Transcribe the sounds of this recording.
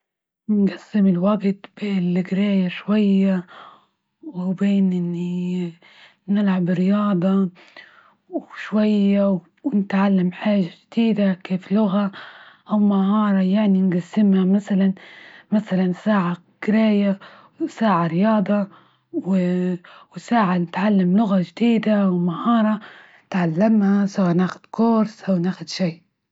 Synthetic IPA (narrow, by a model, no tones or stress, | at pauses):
nɡasːɪmɪlwaɡt̪b̥eːnlɡɾaːjaʃwajːa | wɪbeːnʔɪnːi | nɪlʕabɾɪjɑːd̪ˤɑ | wʃwajːaw | wnɪt̪ʕalːamħaːʒaʒd̪̥iːd̪akeːflʊɣaʔawmahɑːɾˤɑjaʕninɡasːɪmhamaθalanmaθalansaːʕa | ɡ̥ɪɾaːja | saːʕaɾɪjɑːd̪ˤɑ | w | wsaːʕanɪt̪ʕalːamlʊɣaʒd̪iːd̪awmahɑːɾˤɑ | t̪ʕalːamhasawaːnaːxʊd̪̥kʊɾsʔawnaːxʊd̪ʃiː